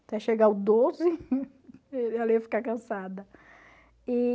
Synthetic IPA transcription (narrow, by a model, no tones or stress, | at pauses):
t̪ɛʃeɡaʊd̪ozɪ | ɛliɐfi̥kakɐ̃sad̪ɐ | i